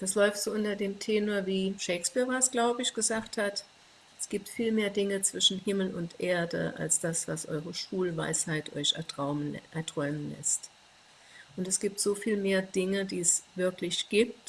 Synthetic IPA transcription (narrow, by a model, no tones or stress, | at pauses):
d̥aslɔʏftz̥oːʔʊntɐdeːmtʰeːnoɐviːʃɛɪkspiːɐvasɡ̥laʊbəɪçɡ̥əzaːkthat | ɛsɡ̥iːp̚tfiːlmeːɐdɪŋət͡sv̥ɪʃn̩hɪml̩ʊntʔeːɐdə̰ʔa̰lsd̥asv̥asʔɔ̰ʏʁəʃv̥uːlva̰ɪshaɪtʔɔ̰ʏçɛɐʁaʊmʔɛɐtʁ̥ɔʏmənlɛ̰st | ʔʊntɛsɡ̥iːp̚tz̥oːfiːlmeːɐdɪŋədiːɛsvɪɐklɪçɡ̥iːp̚t